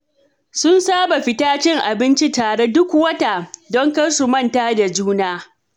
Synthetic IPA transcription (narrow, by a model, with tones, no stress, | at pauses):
sʊ˦nsaː˦ba˨ɸɪ˦taː˦t͡ʃɪ˦ŋʔa˨bɪ˦nt͡ʃi˦taː˨ɽe˦dʊ˦kʷwɐ˦ta˨dɔ˦ŋkɐ˦su˨mɐ˦˨ntaː˦da˨d͡ʒuː˦naː˦